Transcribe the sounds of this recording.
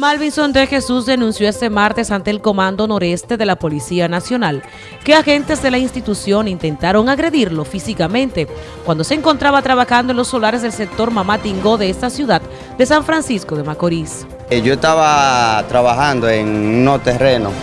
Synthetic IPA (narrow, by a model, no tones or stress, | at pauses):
malβinso̞nd̪exe̞susd̪enũnsjo̞est̪e̞maɾt̪e̞sant̪e̞ːlko̞mãnd̪o̞no̞ɾe̞st̪e̞ðe̞lapo̞lisianasjo̞nal | keaxe̞nt̪e̞zðe̞lainst̪it̪usjo̞nint̪e̞nt̪aɾo̞ŋaɣɾe̞ðiɾlo̞fisikamẽ̞nt̪e̞ | kwand̪o̞se̞ːŋko̞nt̪ɾaβat̪ɾaβaxand̪olosːo̞laɾe̞zðelsek̚t̪o̞ɾmamat̪iŋɡo̞ðe̞est̪asjuðad̪ | d̪e̞saɱfɾansiskoðe̞makoɾis | ʝoest̪aβat̪ɾaβaxand̪oeŋnot̪ereno